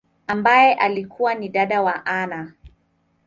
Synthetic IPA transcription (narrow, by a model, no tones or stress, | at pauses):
ambajɛʔalikʰuwaniɗaɗawaʔana